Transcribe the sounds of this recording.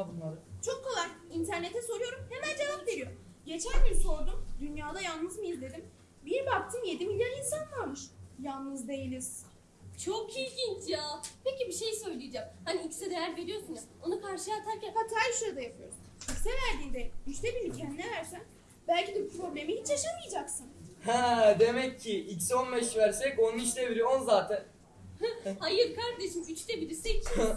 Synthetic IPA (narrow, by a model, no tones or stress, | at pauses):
avɯnjolˠt͡ʃʰo̞kʰːo̞lˠajint̪ʰæɾnet̪ʰɛso̞ɾujo̞ɾumhemænd͡ʒe̞vapd̪e̞ɾijo̞ | ɟe̞t͡ʃʰænbiɾso̞ɾd̪umd̪ynjaːd̪ajalˠnɯzmijizd̪e̞d̪im | biɾbak̚t̪ʰɯmje̞d̪imilʲjaɾinsankaɾmɯʃjalˠnɯzd̪e̞jilʲiz̥ | t͡ʃʰokʰilɟʲint͡ʃjaːpʰe̞cibiʃe̞jsø̞jlʲijed͡ʒamhaniicʰʲsɛd̪ejæɾve̞ɾijo̞sunuzo̞nukʰaɾʃɯjat̪ʰaɾcænkat̪ʰːaalʃoɾd̪ajapʰɯjo̞ɾs | icsɛvæɾd̪iːnd̪ɛyʃt̪ʰebilʲicʰænd̪inʲɛvæɾsæn | bælʲcid̪ɛbupɾo̞blʲe̞mihit͡ʃjaʃamɯjd͡ʒaksɯnhɛd̪e̞mɛcʰːiici̥sio̞nbɛʃvæɾsɛconunit͡ʃseviɾioonzaːt̪ʰæn | hhajɯɾkaɾd̪eʃɯmyt͡ʃt̪ɛbilʲisɛc